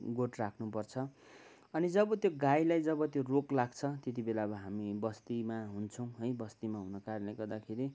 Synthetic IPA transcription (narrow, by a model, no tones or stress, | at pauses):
ɡoʈrakʰnupʌrt͡sʰʌ | ʌnid͡zʌbʌt̪joɡajlajd͡zʌbʌt̪joroklaɡt͡sʰʌt̪et̪̬ibelabʌɦamibʌst̪imaɦunt͡sʰʌw̃ɦʌjbʌst̪imaɦunʌkaɾnleɡʌrd̪akʰeɾi